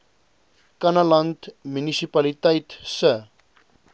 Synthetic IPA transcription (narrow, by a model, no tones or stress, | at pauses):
kɐnalɐntmynisipalitɛjtsə